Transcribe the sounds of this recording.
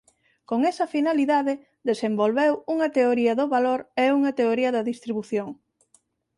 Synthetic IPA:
koŋɛsɐfinaliðaðe | ðesembolβɛwuŋɐt̪eoɾiɐðʊβaloɾɛuŋɐt̪eoɾiɐðɐðist̪ɾiβuθjoŋ

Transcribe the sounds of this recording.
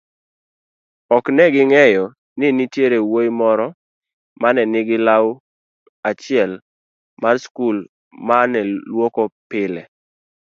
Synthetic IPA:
ɔknɛɡɪŋɛjɔ | nɪnitjeɾewojmɔɾɔ | manɛnɪɡɪlaw | at͡ʃɪɛl | marskul | manɛlwokopɪlɛ

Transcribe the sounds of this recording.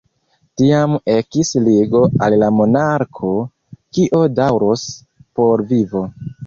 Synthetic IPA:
tiame̞kisliɡo̞alːamo̞naɾkʰo̞ | kiʔo̞dawɾos | po̞ɾvivo̞

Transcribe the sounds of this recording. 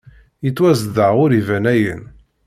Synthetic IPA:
jit͡sːwæzðəʁʊɾivænæjə̰n

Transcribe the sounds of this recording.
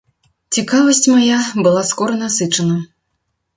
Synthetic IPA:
t͡sʲikavɐsʲt͡sʲmajabɨlˠaskɔɾɐnɐsɨt͡ʂɐnɐ

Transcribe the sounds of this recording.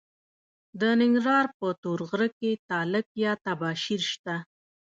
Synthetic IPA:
d̪ənɪŋɡɾɑɾpət̪oɾɣɾəket̪ɑlɪk̚jɑt̪abɑʃiɾʃt̪a

